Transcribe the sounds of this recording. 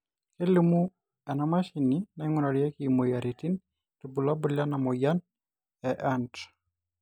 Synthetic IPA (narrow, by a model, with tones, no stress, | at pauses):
ke˦limu˦ | ɛ˨nama˦ʃinina˨iŋuna˨ɾjɛ˦kimo˨ja˨ɾe˨ti˦n | tu˨bu˨la˦bu˨lja˦na˨mɔ˨ja˦n | ɛʔant